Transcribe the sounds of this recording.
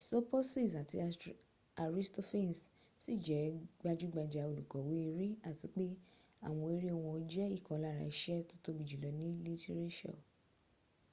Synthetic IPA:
sɔ˦pɔ˦si˦˨sa˨ti˧ | a˨ɾi˦sto˦fẽ˦n˨s | si˦˨d͡ʒɛ˨˦ɡ͡ba˦d͡ʒu˦ɡ͡ba˧d͡ʒa˧o˧˨lu˨kɔ˨wi˨˦i˧ɾi˦a˦˨ti˨˦k͡pe˦ | a̰˦˨w̃ɔ̃˧e˦ɾi˦o˧w̃ɔ̃˧o˧˦d͡ʒɛ˦i˦˨kɔ̃˨˦la˦˨ɾa̰˨i˨˦ʃɛ˦to˦to˦bi˨d͡ʒu˨lɔ˨˦nĩ˦li˦te˦ɾe˦ʃɔ̰˦˨

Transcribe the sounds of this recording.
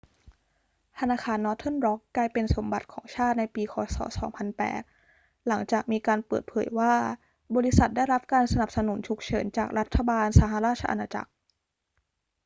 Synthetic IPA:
t̪ʰa˧naː˧xʰaː˧nːɔ˦˥t̪ʰo˥˩nɾɔ˦˥kːlaː˧jpe˧nso˩˦mba˨˩t̪̚kʰɔ̰ː˩˦ŋt͡ɕʰaː˥˩t̪̚na˧jpiː˧kʰɔː˨˦sɔ̰ː˩˦sɔː˩˦ŋpʰa˧npɛ̰ː˨˩t̪̚ | la˩˦ŋt͡ɕaː˨˩k̚miː˧kaː˧npɤ̰ː˨˩t̪̚pʰɤː˩˦jwaː˥˩ | bɔː˧ɾi˦˥sa˨˩t̪̚daː˥˩jɾa˦˥p̚kaː˧nsa˧na˨˩p̚sa˧nu˩˦nt͡ɕʰu˨˩k̚t͡ɕʰɤː˩˦nt͡ɕaː˨˩k̚ɾa˦˥t̪ʰːa˧baː˧nsaː˩˦ɦa˨˧˩ɾaː˥˩t̪̚t͡ɕʰa˧ʔa̰˧naː˧t͡ɕa̰˨˩k̚

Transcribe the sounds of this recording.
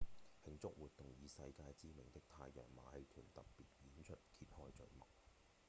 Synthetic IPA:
hɪ˨˧ŋt͡sʊ˥k̚wuː˨t̚t̪ʊ˨ŋjiː˨˧sɐ˧jkaː˧jt͡siː˥mɪ˨˩ŋt̪ɪ˥k̚t̪ʰaː˧jːœ̰ː˨˩ŋma̰ː˨˧hɐ˧jt̪ʰyː˨˩nt̪ɐ˨˩ppi˨t̚jiː˨˥nt͡ʃʰɵ˥t̚kʰiː˧t̚hɔː˥jt͡ʃɵ˨˧ɥmɐ˨˩k̚

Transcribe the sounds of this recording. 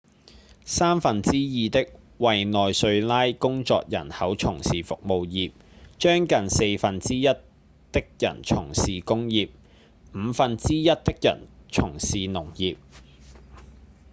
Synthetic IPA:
saː˥mfɐ˨nt͡siː˥jiː˨˧t̪ɪ˥k̚ | wɐ˨jnɔː˨jsɵ˧ɥlaː˥jkʊ˥ŋt͡sɔ̰ː˨k̚jɐ̰˨˩nhɐ˨˥wt͡ʃʰʊ˨˩ŋsiː˨fʊ˨k̚mo˨wjiː˨p̚ | t͡ʃœː˥ŋkɐ˨nse˧jfɐ˨nt͡siː˥jɐ˥t̚ | t̪ɪ˥k̚jɐ̰˨˩nt͡ʃʰʊ˨˩ŋsiː˨kʊ˥ŋjiː˨p̚ | m̩ː˨˧fɐ˨nt͡siː˥jɐ˥t̚t̪ɪ˥k̚jɐ̰˨˩nt͡ʃʰʊ˨˩ŋsiː˨nʊ˨˩ŋjiː˨p̚

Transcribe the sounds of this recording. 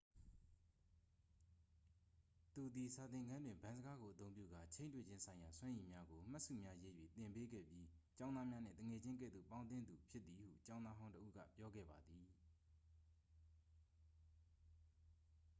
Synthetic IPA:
t̪u˨d̪i˨sa˨t̪ɪ̃˨ŋɡã˦ndwɪ̃˨mbã˦nzə˦ɡa˦ɡo˨ʔət̪õ˦ʊ̃mpjṵ˦˨ɡa˦˨t͡ɕʰẽ˦ɪ̃ntwḛ˦˨d͡ʑɪ̃˦nsʰã˨ɪ̃ja˨swã˦ʔi˨mja˦ɡo˨m̥a˦ʔsṵ˦˨mja˦je˦jwḛ˦˨t̪ɪ̃˨mpe˦ɡɛ̰˦˨pji˦t͡ɕã˦ʊnd̪a˦mja˦nɪ̰̃˦˨t̪ə˨ŋɛ˨d͡ʑɪ̃˦ŋk̬ɛ̰˦˨d̪o̰˦˨pã˦ʊ̃nt̪̬ɪ̃˦nd̪u˨pʰjɪ˦t̪t̪ːi˨hṵ˦˨t͡ɕã˦ʊ̃nd̪a˦ɦã˦ʊ̃tə˦ʔṵ˦ɡä̰˦˨pjɔ˦ɡɛ̰˦˨ba˨d̪i˨

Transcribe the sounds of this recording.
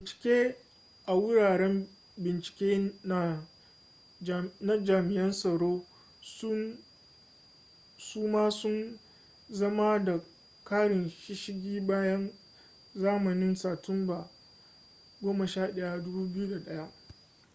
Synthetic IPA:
bɪ˨nt͡ʃɪ̥˨kʲeː˦ | ʔa˨wʊ˦ɽaː˨ɽɛ˦m | bɪ˨nt͡ʃɪ̥˨kʲeː˦na˦˨ | na˦d͡ʒaː˨mɪ˨ʔɛ˦nsɐ˨ɽoː˦ | s | suː˦maː˦sʊ˦n | zɐ˦ma˦da˨ | kaː˦ɽɪ˨nʃɪ˦ʃɪ˦ɡʲiː˦baː˦jɐ˦n | zaː˦mɐ˨nɪ˦nsaː˨tʊ˦mba˨ | ɡʷoː˦mɐ˨ʃaː˦˨ɗɐ˦ja˦dʊ˦buː˦bɪ˦ju˦da˨ɗɐ˦ja˦ʔ

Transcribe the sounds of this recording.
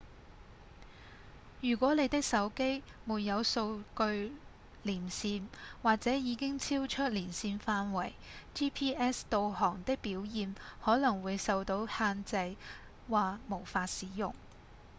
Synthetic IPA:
jyː˨˩kʷɔː˨˥ne˨˧jt̪ɪ˥k̚sɐ˨˥wke˥jmuː˨˧t̚jɐ˨˧wso˧wkɵ˧ɥ | liː˨˩nsiː˧nwaː˨k̚t͡sɛː˨˥jiː˨˧kɪ˥ŋt͡sʰiː˥wt͡ʃʰɵ˥t̚liː˨˩nsiː˧nfaː˧nwɐ˨˩jt͡ʃiː˥pʰiː˥ɛː˥st̪o˧whɔː˨˩ŋt̪ɪ˥k̚piː˨˥wjiː˨˧nhɔː˨˥lɐ˨˩ŋwuː˨˧jsɐ˨˧wt̪o˨˧˥whaː˧nt͡sɐ˧j | waː˨mo˨˩wfaː˧t̚siː˨˥jʊ˨˩ŋ

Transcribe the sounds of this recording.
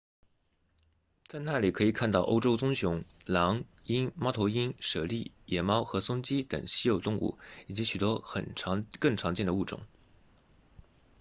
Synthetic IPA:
t͡sa˥˧ɪna˥˩li˨˩kʰɤ˧˥i˨˩kʰa˥˧nt̪ɑ˥˩ʊʔo̰˥ʊʈ͡ʂo˥ʊt͡sʊ˥ŋɕjʊ˧˥ŋlɑ˧˥ŋ | i˥nmɑ˥ʊt̪ʰo˧˥ʊi˥nʂɤ˨˩li˥˩ | jɛ˨˩mɑ˥ʊxɤ˧˥sʊ˥ŋt͡ɕi˥t̪ɤ̰˨˩ŋɕi˥jo˨˩ʊt̪ʊ˥˧ŋṵ˥˩i˨˩t͡ɕi˧˥ɕy˨˩t̪wɔ˥xə̰˨˩nʰ˧˥kɤ˥˩ŋʈ͡ʂʰɑ˧˥ŋt͡ɕjɛ˥˩nd̪ə˧u˥˩ʈ͡ʂʊ̰˨˩˦

